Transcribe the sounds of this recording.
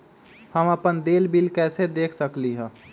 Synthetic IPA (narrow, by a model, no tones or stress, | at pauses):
həməpənd̪eːlbilkɛːsed̪eːkʰsəkliɦɛ̃ː